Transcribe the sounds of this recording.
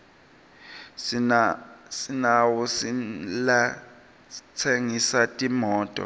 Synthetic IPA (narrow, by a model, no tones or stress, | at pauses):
sinawusila | t͡sʰeŋisatʼimɔːtʼɔ̰